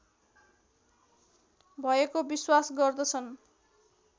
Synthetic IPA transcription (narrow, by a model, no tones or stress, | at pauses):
bʱʌekobiswasɡʌrd̪ʌt͡sʰʌn